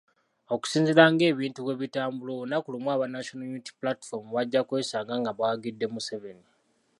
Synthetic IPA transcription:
o̞ku̥siːnziɾaŋɡe̞ːβiːntukeβitaːmbulonakulimwaːβanaʃonajuniti̥plati̥fo̞ɾmuβaɟːakwe̞ːsaːŋɡaŋɡaβwaɡidːe̞museβe̞ni

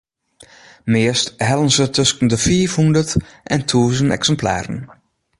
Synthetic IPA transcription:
mɪəsthɛlənsətʰøskən̩dəfiːfhundətʔɛntʰuːzənɛ̰ksəmpla̰ːɾə̰n

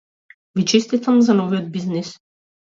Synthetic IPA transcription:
vit͡ʃɛst̪it̪amzanɔvijɔd̪̚biznis

